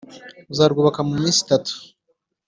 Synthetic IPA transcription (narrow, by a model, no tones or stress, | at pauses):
zaːɾɡoβakamumiːnsi̥tatu̥